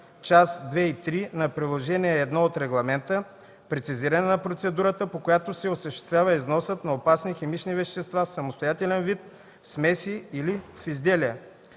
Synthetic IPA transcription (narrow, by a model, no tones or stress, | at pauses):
t͡ʃasd̪vɛit̪ɾinɐpɾilˠoʒɛniɛːd̪nɔot̪ɾɛɡlˠɐmɛnt̪ə | pɾɛt̪siziɾɐnɛnɐpɾot̪sɛd̪uɾət̪əpokojat̪osɛosəʃt̪ɛ̥st̪vʲjavəiznɔsət̪nɐopasnixɛmit͡ʃnivɛʃt̪ɛst̪vafsɐmost̪ojat̪ɛlɛnvit̪ | fsmɛsiilifizd̪ɛliɛ